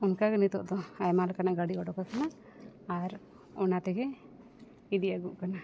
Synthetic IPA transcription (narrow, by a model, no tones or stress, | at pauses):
unkaɡɛnit̪ɔʔd̪ɔajmalkanaɡaɽiɔɖɔkakanaː | ɾ | ɔnat̪ɛɡɛ | id̪ijaɡuʔkana